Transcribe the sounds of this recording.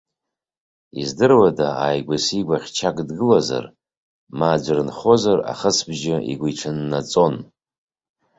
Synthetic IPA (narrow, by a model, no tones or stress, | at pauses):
izdɨrwadaajɡʷasiɡʷaχʲt͡ʃʰakʼdɡɨlaza̰r | maːd͡ʒʷrnχo̞zara̰χəsbʒaḭɡʷiʈ͡ʂʰɨnːat͡sʼo̞n